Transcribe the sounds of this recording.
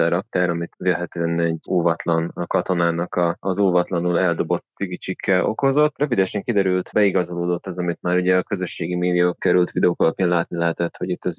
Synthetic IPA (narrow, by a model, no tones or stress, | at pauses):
ɛɾɒk̚t̪aːɾɒmit̪velɦɛt̪øːɛnɛɟoːvɒt̪lɒnkɒt̪o̞naːnɒkɒːzoːvɒt̪lɒnulɛld̪o̞bo̞t̪siɡit͡ʃikʰːɛʔo̞ko̞zo̞t̪ːrøvid̪ɛʃɛŋkid̪ɛɾylt̪bɛiɡɒzo̞loːd̪o̞t̪ːɛzɒmit̪maːɾuɟɛɒkø̞zø̞ʃːeːɡimeːd̪ijokkɛɾylt̪ʋid̪ɛoːkɒlɒpjaːnlaːt̪nilɛɦɛt̪ɛt̪ho̞ɟit̪ːɛz